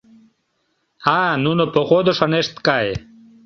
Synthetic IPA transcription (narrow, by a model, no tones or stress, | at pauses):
anunopoχod̪oʃaneʃt̪kaj